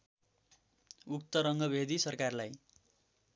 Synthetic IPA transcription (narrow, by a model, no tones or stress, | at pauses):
uk̚t̪ʌɾʌŋɡʌbʱed̪isʌrkarlaj